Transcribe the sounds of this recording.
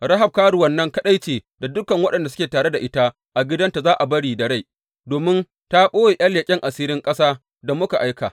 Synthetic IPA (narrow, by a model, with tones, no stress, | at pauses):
ɾɐ˦ɦa˨b̚kaː˦ɽu˨wɐ˦˨nːɐ˦ŋkɐ˦ɗa˦jt͡ʃeː˨ | da˨dʊ˦kɐ˨ŋwɐ˦ɗɐ˨nda˨sʊ̥˦kʲeː˨taː˨ɽe˦da˨ʔɪ˦ta˦ | ʔa˨ɡʲɪ˦dɐ˦nta˨zaː˦ʔa˨bɐ˦ɽiː˨dɐ˨ɽa˦˨ | doː˨mɪ˦n | ta˦ɓoː˦weː˨j̰ʔa˦ljeː˨kʲʼɪ˦ŋʔa˨siː˦ɾɪ˦ŋkʼɐ˦saː˦ | da˨mʊ˦ka˨ʔa˦jkaː˨